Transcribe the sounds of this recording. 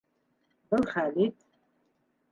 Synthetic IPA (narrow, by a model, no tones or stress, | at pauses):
bɨlχaːlitʼ